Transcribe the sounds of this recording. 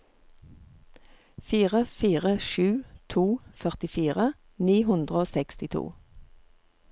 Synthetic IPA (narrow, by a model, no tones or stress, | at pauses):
fiːʁəfiːʁəʃʉːt̪ʰuːfœʁt̪ɪfiːʁə | niːhʉnd̪ʁəoːsɛkst̪ɪt̪ʰṵː